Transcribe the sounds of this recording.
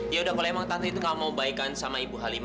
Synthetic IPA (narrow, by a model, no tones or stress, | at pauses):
jaudahkolaemaŋt̪ant̪it̪ukalamaubaikansamaibuɦalim